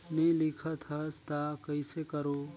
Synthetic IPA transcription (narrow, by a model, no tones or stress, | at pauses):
nelɪkʰət̪ʰɦəst̪akəɪsekəɾoː